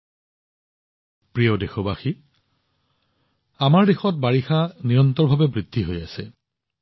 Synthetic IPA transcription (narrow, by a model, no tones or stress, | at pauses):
pɹiɔdexɔbaxi | amaɹdexɔt̚baɹixanijɔntɔɹbʱabɛbɹidʱːiɦojasɛ